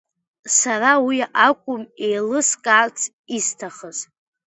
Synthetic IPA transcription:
sarawiakʷʼʊmejlɨskʼaːt͡sʰʼ | istʰaχəz

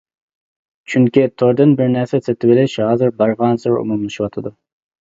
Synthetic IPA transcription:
t͡ʃʰyŋkʲit̪ʰoɾd̪ɪnbɪɾnæɾsɛset̪ʰɪbɪlɪʃhɑːzɨɾbɑɾʁɑnsɪɾʊ̰mumlˠɨʃɪwɑt̪ʰɨd̪ʊ

